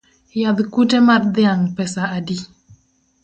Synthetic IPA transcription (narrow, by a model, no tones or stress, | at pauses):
jad̪kutemard̪ɪaŋpɛsaadi